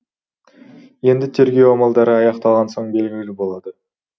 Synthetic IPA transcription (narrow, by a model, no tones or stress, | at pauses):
je̞nd̪ɪt̪ʰe̞ɾɡʲe̞womɑlˠd̪ɑɾəɑjɑqt̪ɑlˠʁɑnso̞ɴbe̞lɡʲlɪlɪbo̞lˠɑd̪ə